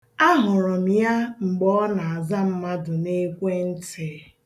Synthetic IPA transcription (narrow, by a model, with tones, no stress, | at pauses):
a˦ɦʊ˨ɾɔ˨m̩˦ja˦ŋ͡m̩˨ɡ͡bɔ˦na˨a˨za˦m̩˦ma˦dʊ˨ne˦kʷe˦n̩˦te˨˦